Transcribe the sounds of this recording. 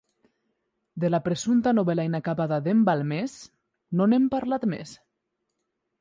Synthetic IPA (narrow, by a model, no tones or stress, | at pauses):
d̪elapɾesunt̪anoβɛlainakaβaðaðembalmes | nonempaɾlat̪mḛs